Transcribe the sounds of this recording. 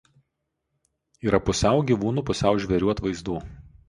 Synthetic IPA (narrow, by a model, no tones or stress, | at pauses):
iːɾɐpʊsʲɛˑʊɡʲiʋuːnuːpʊsʲɛˑʊʒʲʋʲɛɾʲuːɐt̪ʋɐɪzd̪uː